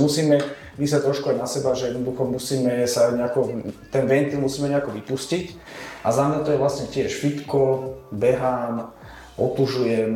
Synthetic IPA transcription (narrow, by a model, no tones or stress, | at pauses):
musiːmɛ | ʋis̬lac̚t̪ɾɔʃkuaɟnasɛbaʒɛjɛd̪nɔd̪uxɔmusiːmɛsaɲɛakɔt̪ɛnʋɛnt̪ilˠmusiːmɛɲɛakɔʋipuscic | ʔazamɛt̪ɔjɛʋlasɲɛcɪɛʃfit̪kɔbɛɦaːm | ʔɔt̪uʒujɛm